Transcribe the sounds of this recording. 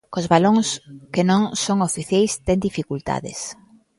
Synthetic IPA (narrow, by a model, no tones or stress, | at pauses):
kozβaloŋskɪnõŋsoŋofiθjajst̪ɛŋd̪ifikult̪a̰ðɪ̰s